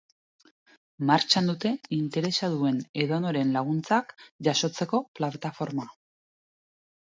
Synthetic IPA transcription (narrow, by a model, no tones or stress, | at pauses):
maɾt͡ʃand̪ut̪e̞int̪e̞ɾe̞saðue̞ne̞ðonoɾe̞nlaɣ̞unt͡sakʝaso̞t͡se̞ko̞plat̪afo̞ɾma